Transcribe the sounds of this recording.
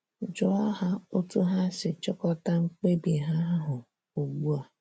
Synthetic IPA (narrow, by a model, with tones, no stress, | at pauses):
d͡ʒʊ˦ɔ˦ɦa˦o˦tu˦ɦa˦sɪ˨t͡ʃɔ˦kɔ˦ta˦ŋ͡m̩˦k͡pe˦bi˨ɦa˦ɦʊ˨ | o˨ɡ͡bu˦a˨